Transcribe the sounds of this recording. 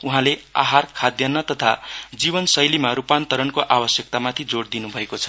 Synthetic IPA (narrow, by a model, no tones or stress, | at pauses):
uɦãlea̰ɦarkʰad̪jʌnːʌt̪ʌt̪ʰad͡zibʌnsʌjlimaɾupant̪ʌɾʌnkoʔabʌsjʌk̚t̪amat̪ʰid͡zoɽd̪inubʱʌekot͡sʰʌ̥